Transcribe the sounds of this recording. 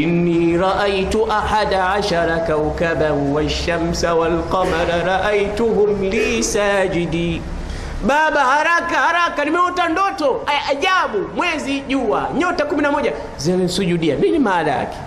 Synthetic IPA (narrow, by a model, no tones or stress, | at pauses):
ɪnːiːɾɑʔajtuʔaħadaʕaʃaɾakawkabaɾwaʃːamsawalqɑmaɾaɾˤɑʔajtʊɦʊmliːsaːd͡ʒɪdi | ɓaɓahaɾakahaɾakanimɛɔtandɔtɔajʔaʄaɓumwɛziʄuwa̰ɲɔtakuminamɔʄa | zaninsud͡ʒudijaninimaːlaja̰kɛ̥